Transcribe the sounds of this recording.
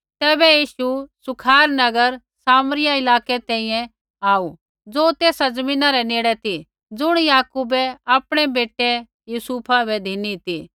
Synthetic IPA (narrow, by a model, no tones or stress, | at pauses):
t̪ɛːbɛjiːʃusʊkʰaːɾnɐɡəɾ | saːmɾɪjaɪlaːkɛt̪ɛ̃ːĩjɛ̃ | aːu | d͡zoːt̪eːsad͡zɐmĩːnaɾɛneːɽɛt̪i | d͡zʊɽ̃jaːkuːbɛaːpɽ̃ɛbeːʈːɛ | juːsuːpʰabɛd̪ʱinit̪i